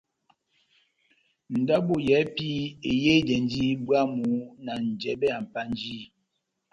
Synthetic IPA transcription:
n̩˨da˦bo˦˨jɛ˨˦pi˦e˨je˦dɛ˨n˦d͡ʒi˦bwa˦mu˨˦na˨n̩˨d͡ʒɛ˨bɛ˦a˨m̩˨pa˦n˦d͡ʒiː˦

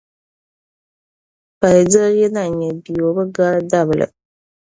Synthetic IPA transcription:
pa˨jdɨ˦jɛ˦na˦˨ɲɛ˨bi˨jo˨bɨ˦ɡa˦ɾda˦βɨ˨lɨ̰˨

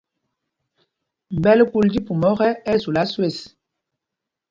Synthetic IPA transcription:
m˨bɛ˦lku˦ldi˦pu˨mɔ˦ɣɛ˦ɛ˦zu˨la˦swe˦˨s

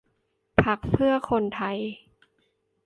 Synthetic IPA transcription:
pʰa˦˥k̚sʰɯ˥˩ɐkʰo˧nt̪ʰa˧j

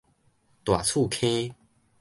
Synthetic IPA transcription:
t̪wa˨˩t͡sʰu˥˨kʰẽ˦

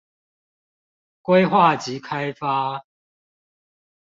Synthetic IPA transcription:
kwe˦ɪxwa˥˨t͡ɕi˨˦kʰa˦jfa˦

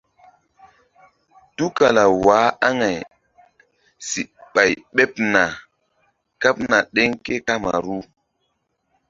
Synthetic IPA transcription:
tu˦ka˨la˨waː˨˦a˦ŋa˨j | si˨ɓa˨jɓe˦pna˨ | ka˦p̚na˨ɗe˦ŋke˦ka˦ma̰˨ɾu˦

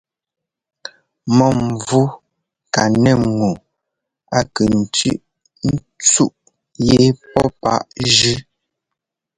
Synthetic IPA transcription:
mɔ˦˨m˨vu˦ | ka˨nɛ˦˨ŋu˨ | a˦kə˨n̩˨tʉ̰˦ʔ | n̩˦ | t͡su˦ʔ | je˦pɔ˦pa̰˦ʔʒʉ˦

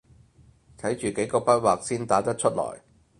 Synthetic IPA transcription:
t̪ʰɐ˨˥jt͡ʃyː˨ke˨˥jkɔː˧pɐ˥t̚waː˨k̚siː˥nt̪aː˨˥t̪ɐ˥t̚t͡ʃʰɵ˥t̚lɔ̰ː˨˩j

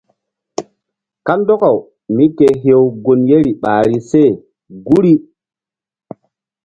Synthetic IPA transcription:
ka˦mdɔ˦ka˨w | mi˦ke˨ɦe˦wɡo˨nje˦ɾi˨ɓa̰ː˨ɾi˦se˦˨ | ɡu˦ɾi˦

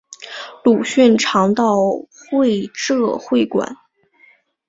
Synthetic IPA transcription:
lu˨˩ɕy˥˩nʈ͡ʂʰɑ˧˥ŋt̪ɑ˥˧ʊxwe˥˧ɪʈ͡ʂɤ˥˧xwe˥˩ɪkwa̰˨˩˦n

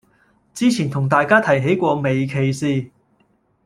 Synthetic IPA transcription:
t͡siː˥t͡sʰiː˨˩nt̪ʰʊ˨˩ŋt̪aː˨jkaː˥t̪ʰɐ˨˩jɦe˨˥jkʷɔː˧me˨jkʰe˨˩jsiː˨˧

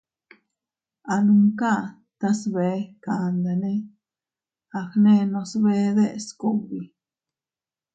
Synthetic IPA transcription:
a˨nu˧ŋka˦ | t̪a˦sβe˨˦ka˨nd̪a˨ne˦ | a˧xne˦nõ˧sβe˦d̪e˦˨sko˦˨bi˨

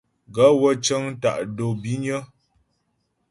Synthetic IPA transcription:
ɡə˨˦wə˦t͡ʃə˦ŋ˦ta̰˨ʔdo˨bi˦ɲə˦

